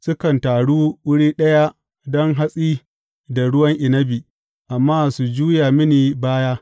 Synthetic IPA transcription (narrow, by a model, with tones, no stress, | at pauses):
sʊ˦kɐ˨ntaː˨ɽuː˦wʊ˦ɽiː˦ɗɐ˦ja˦ | dɔ˦ŋɦa˦sʼiː˦ | da˨ɽʊ˦wɐ˦ŋʔɪ˨nɐ˦biː˨ | ʔa˨mːaː˦su˨d͡ʒuː˦jaː˨mɪ˦niː˨baː˦jaː˦